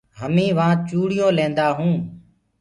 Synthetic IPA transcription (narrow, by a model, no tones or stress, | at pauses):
ɦəmĩːʋãːt͡ʃuːɽɪjõːlẽːnd̪aːɦũː